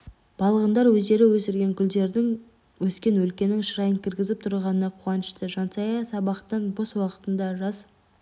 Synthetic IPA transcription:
b̥ɑlˠəʁənd̪ɑɾwɵzd̪e̞ɾɪwɵsɪɾɡʲe̞ŋkʲʰʏld̪e̞ɾd̪ɪŋ | wɵskʲe̞nwɵlkʲe̞nɪŋʃəɾɑjəŋkʲʰɪɾɡʲɪzɪp̚t̪ʰʊɾʁɑnənɑqʰuʁɑnəʃt̪əʒɑnsɑjɑsɑbɑqt̪ənboswɑqə̥t̪ənd̪ɑʒɑs

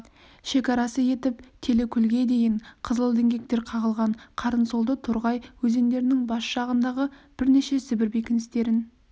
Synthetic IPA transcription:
ʃe̞kʲɑɾɑsəje̞t̪ɪpt̪ʰe̞le̞kʲʰʏlɡʲe̞d̪e̞jɪɴqʰəzəlˠd̪e̞ŋɡʲe̞k̚t̪e̞ɾqʰɑʁəlˠʁɑɴqʰɑɾənsolˠd̪ət̪ʰʊɾʁɑjwɵze̞nd̪e̞ɾɪnɪŋbɑsʒ̥ɑʁənd̪ɑʁəb̥ɪɾne̞ʃe̞sɪbɪɾbe̞kʲɪnɪst̪e̞ɾɪn

